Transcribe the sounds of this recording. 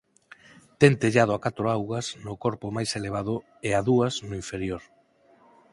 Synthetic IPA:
t̪ent̪eʎað̞ʊakat̪ɾoawɣɐsnʊkoɾpʊmajseleβ̞að̞ʊ | eaðuɐznʊiɱfeɾjoɾ

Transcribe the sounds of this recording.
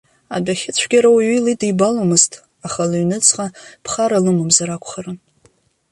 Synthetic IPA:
abaχʲɪt͡sʷʰɡʲaɾawɥilidibalomɨztʰʼ | aχalɨɥnɨt͡sʰʼqʼapʰχaɾalɨmɨmzaɾakʷʰʼχarɨn

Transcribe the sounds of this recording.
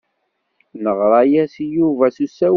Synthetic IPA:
nəʁɾˤɑjæsjuvæθusæ

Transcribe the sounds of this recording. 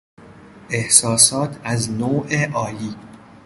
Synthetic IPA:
ʔe̞hsɒːsɒːt̪ʰæznoːʔeʔɒːliː

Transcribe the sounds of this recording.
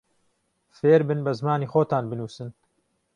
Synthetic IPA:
feːɾbɨnbɐzmaːniːxoːt̪ʰaːnbɨnuːsɨn

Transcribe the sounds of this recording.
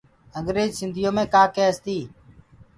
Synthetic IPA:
əŋɡɾeːd͡ʒsɪnd̪ʱɪjõːmẽːkaːkeːst̪iː

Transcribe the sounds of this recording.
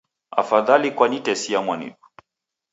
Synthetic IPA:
a̰faðalikwanitɛsiamwanḭɗu̥

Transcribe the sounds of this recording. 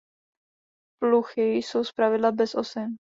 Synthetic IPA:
pluxɪjso̞wspɾavɪdlabɛsʔosɛn

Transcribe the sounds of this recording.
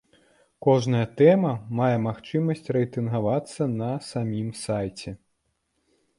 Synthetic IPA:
kɔʐnɐjɐt̪ɛmɐmajɛmaxt͡ʂɨmɐsʲt͡sʲrɛjt̪ɨnɣavat̪sːɐnɐsamʲimsajt͡sʲɛ

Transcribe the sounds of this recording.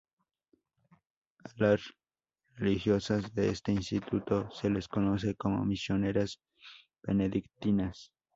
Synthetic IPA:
alas | relixjosazðeest̪einst̪it̪ʰut̪o̞seleskonos̬ekomo̰misjo̞ne̞ɾas | b̥ḛneðikt̪inas

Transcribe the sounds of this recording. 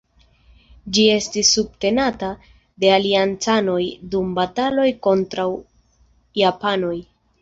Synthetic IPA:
d͡ʒie̞stisːubte̞nata | de̞aliant͡sano̞jdumbatalo̞jko̞ntɾaw | japano̞j

